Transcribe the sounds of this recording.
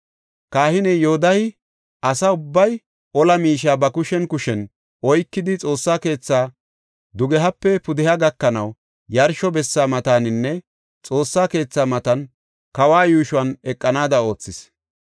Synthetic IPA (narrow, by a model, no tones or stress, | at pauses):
kaːhɪnɛjoːd̪ɐhɪ | ɐsɐʊbːɐj | ʔɔlɐmiːʃaːbɐkʊʃɛnkʊʃɛn | ɔjkːɪd̪ɪt͡sʼo̞ːsːaːke̞ːt͡sːaː | d̪ʊɡɛɦɐpːɛpʊd̪ɪhɐɡɐkːɐnɐw | jɐɾʃɔbɛsːaːmɐt̪aːnɪnːɛ | t͡sʼo̞ːsːaːke̞ːt͡sːaːmɐt̪ɐn | kɐwaːjuːʃʊɐnɛkʼːɐnaːd̪ɐo̞ːt͡sːɪs